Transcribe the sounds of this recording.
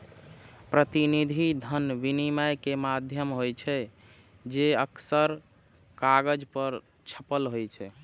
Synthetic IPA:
pɾət̪inid̪ʱid̪ʱənbinimajkemad̪ʱjəmɦojt͡ʃʰɛ | d͡ʒeəksəɾ | kaɡəd͡ʒpəɾ | t͡ʃʰə̥pəlɦojt͡ʃʰɛ

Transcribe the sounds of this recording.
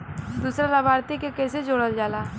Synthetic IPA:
d̪uːsɾalabʱaːɾt̪ikekɛːsed͡ʒoːɽəld͡ʒaːlaː

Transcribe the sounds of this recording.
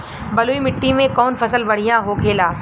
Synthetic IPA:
bɐluːimɪʈːimẽkɔːnfʰɐsəlbɐɽ̤ijãɦokʰeːlaː

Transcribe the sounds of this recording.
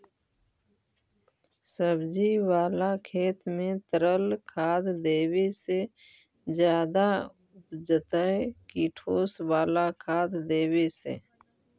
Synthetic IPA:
səbd͡ʒiwaːlakʰeːt̪mẽt̪əɾəlkʰaːd̪d̪eːwese | d͡ʒjaːd̪a | ʊpd͡ʒət̪əkiʈʰoːswaːlakʰaːd̪d̪eːwesḛ

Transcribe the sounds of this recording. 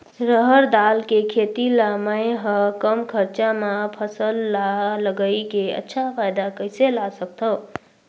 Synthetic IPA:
ɾʌɦʌɾd̪alkekʰet̪ilamajɦʌkʌmkʰʌɾt͡ʃamapʰʌsʌlːalʌɡʌjkeʌ̰tːʃʰapʰajd̪akʌjselasʌk̚t̪ʰʌw

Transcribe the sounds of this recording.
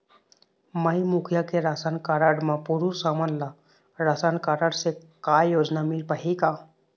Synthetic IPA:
maimukʰjakeɾasankaɾaɽmapoɾuɾsamanla | ɾasankaɾaɽse | kajjod͡znamilpaɦika

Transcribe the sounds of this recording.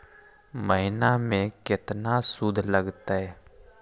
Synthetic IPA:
məɦɪnamẽkɪt̪nasud̪ʱləɡt̪aɦɛː

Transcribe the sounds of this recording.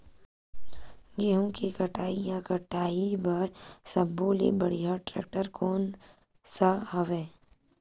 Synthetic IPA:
ɡeːɦõkikɐʈaːijakəʈaːibaɾsɐbboːlḛbəɽijaʈɾɛ̰ːk̚ʈəɾkoːn | saɦɐʋẽː

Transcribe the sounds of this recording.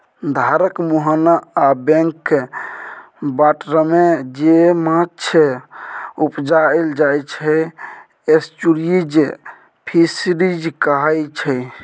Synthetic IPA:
d̪ʱaɾəkmuɦənaːbẽŋkːe | baʈɾəmed͡ʒemat͡ʃʰe | upd͡ʒaeld͡ʒajt͡ʃʰɛ | est͡ʃuɽiid͡ʒ | pʰisiɾid͡ʒkaɦajt͡ʃʰɛ

